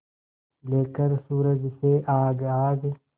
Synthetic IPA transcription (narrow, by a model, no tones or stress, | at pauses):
leːkəɾsuːɾəd͡ʒseʔaːɡaːɡ